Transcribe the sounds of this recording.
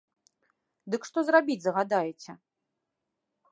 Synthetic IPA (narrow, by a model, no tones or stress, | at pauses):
d̪ɨkʂt̪ɔzrabʲit͡sʲzɐɣad̪ajɛt͡sʲɛ